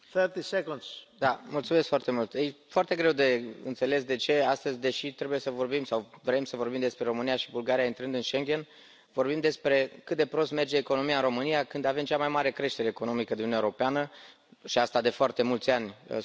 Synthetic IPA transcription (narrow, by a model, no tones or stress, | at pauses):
θəɾt̪isekũnsd̪amult̪sumeskfoart̪e̞mult̪əjfoart̪e̞ɡɾe̞wd̪e̞ɨ̰nt̪se̞le̞sd̪e̞t͡ʃe̞ast̪əzʲd̪e̞ʃit̪ɾe̞buje̞səvo̞rbimsawvɾe̞msəvo̞rbimd̪espɾe̞ɾo̞mɨnijaʃibulɡaɾijaint̪ɾɨnd̪ɨnʃe̞ŋɡe̞n | vo̞rbimd̪e̞spɾe̞kɨt̪̚d̪e̞pɾo̞st̪me̞rd͡ʒe̞ːko̞no̞mijaɨnɾro̞mɨnijakɨnd̪ave̞mt͡ʃamajmaɾe̞kɾe̞ʃt̪e̞ɾe̞ːko̞no̞mikəd̪inʲaeɾopeanə | ʃiast̪ad̪e̞foart̪e̞mult̪sʲan̰ʲ